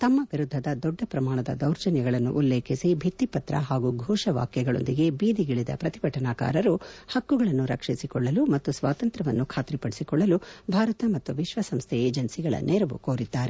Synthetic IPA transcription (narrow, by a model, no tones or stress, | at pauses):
t̪ɐmːɐʋiɾud̪ʱːɐd̪ɐd̪ɔɖːɐpɾɐmaːɳɐd̪ɐ̰d̪ɐwɾt͡ʃɐnjɐɡɐɭɐnːṵʔulːeːkʰisibʱit̪ːipɐt̪ɾɐ̰ɦaːɡuɡʱɔːʂɐʋa̰ːkjɛɡɐɭo̰nd̪iɡe̞biːd̪iɡiɭid̪ɐ̰pɾɐt̪ibʱɐʈɐnaːka̰ːɾɐɾuhɐkːuɡɐɭɐnːuɾɐkʂisikɔɭːɐlumɐt̪ːusʋaːt̪ɐnt̪ɾɐʋɐnːukʰaːt̪ɾipɐɽisikɔɭːɐlubʱaːɾɐt̪ɐmɐt̪ːuʋiʃʋɐsɐmst̪ʰɛeːd͡ʒɐnsiɡɐɭɐ̰nɛɾɐʋṵkoːɾid̪ːaːɾe